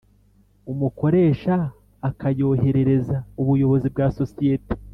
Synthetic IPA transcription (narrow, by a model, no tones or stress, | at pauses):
umuko̞ɾe̞ːʃaː | kajo̞ːɦe̞ɾe̞ɾe̞zauβujo̞βo̞zibɡaːso̞sije̞te̥